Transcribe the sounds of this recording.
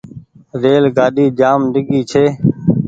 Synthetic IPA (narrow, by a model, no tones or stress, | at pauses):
ɾeːlɡaːɗiːd͡ʒaːmɖɪɡiːt͡ʃʰeː